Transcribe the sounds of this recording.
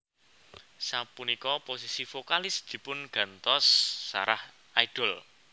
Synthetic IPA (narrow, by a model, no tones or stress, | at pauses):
sapunikɔposisifokalɪsd̪̥i̤pʊnɡ̥ä̤nt̪ɔsːa̰ɾah | aiɖ̥ɔ̤l